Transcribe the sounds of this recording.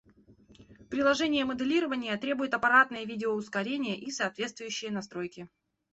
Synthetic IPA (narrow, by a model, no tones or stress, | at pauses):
pɾʲɪlˠɐʐɛnʲɪjəməd̪ɨlʲiɾəvənʲɪjət̪ɾʲebʊjɪt̪ɐpɐɾat̪̚nɨjəvʲidʲɪoʊskɐɾʲenʲɪjəʔisɐːt̪vʲe̞t̪st̪vʊjʉɕːɪjənɐst̪ɾojkʲɪ